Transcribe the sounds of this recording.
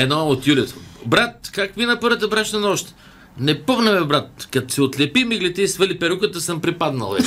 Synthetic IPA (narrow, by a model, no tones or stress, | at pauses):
ɛd̪nɔot̪julʲɛt̪ʰobɾat̪̚kakvinɐpɤɾvət̪əbɾaʃnɐnɔʃt̪ | nɛpoɣnɛmɛbɾat̪̚kɐt̪o̥siot̪lʲɛpimiɡlit̪ɛisvəlipɛɾukət̪əsəmpɾipad̪nɐ̰lˠvɛt͡ʃ